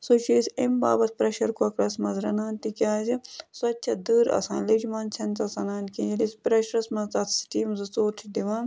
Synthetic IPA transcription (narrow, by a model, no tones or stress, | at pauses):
sot͡ʃʰiːsʲembaːbɐt̪̚pɾɐʃɐɾkɐkɾɐsmɐzɾɐnaːnt̪ikʲaːzisɐtːt͡ʃʰɐd̪ɨːɾɐ̰sã̰ːlid͡ʒmaːnt͡ʃʰɐnt̪ɐsɐnaːnkĩilisʲpɾɐʃɾɐsmɐzt̪ɐt̪ʰsʈiːmzɨt͡soːɾtʰid̪iʋãːn